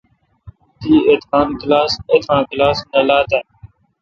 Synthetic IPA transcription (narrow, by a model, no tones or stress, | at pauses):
t̪iːeːt̪kaːnklaːseːt̪ãːklaːsnəlaːt̪aː